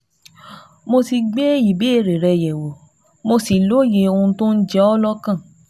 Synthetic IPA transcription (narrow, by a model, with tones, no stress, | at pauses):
mo˧si˧ɡ͡be˦i˨be˨˦e˦˨ɾe˨ɾɛ˧jɛ˨wo˨ | mo˧si˨lo˦je˧o˧ũ˧tõ˦n̩˦d͡ʒɛ˦ɔ˦lɔ˦kã˦˨